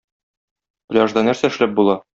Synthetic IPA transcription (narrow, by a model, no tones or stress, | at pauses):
plʲɑʒd̪ɑnæɾsæɘ̆ʃlæp̚bulˠɑ